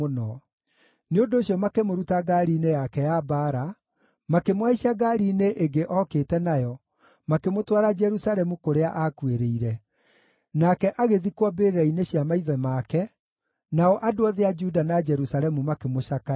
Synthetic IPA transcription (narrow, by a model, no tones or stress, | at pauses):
onɔ | neondoːɕiɔmakemoɾutaɡaɾiːnejakɛjabaɾa | makemwaiɕiaɡaɾineʔeɡeʔɔketɛnajɔ | makemotwaɾad͡ʒɛɾusaɾɛmukoɾeaʔakweɾeiɾɛ | nakɛʔaɣeðikwɔbeɾeɾaineɕjamaiðɛmakɛ | naɔʔadoaðead͡ʒudanad͡ʒɛɾusaɾɛmumakemoʃaka